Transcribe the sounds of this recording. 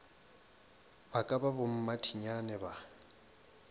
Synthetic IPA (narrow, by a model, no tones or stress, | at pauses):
bakʼababʊm̩matʰiɲanɛba